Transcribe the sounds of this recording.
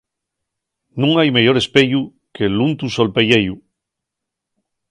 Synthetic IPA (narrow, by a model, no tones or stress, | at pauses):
nũŋajmeʝoɾe̞speʎu | kelunt̪usolpeʎeju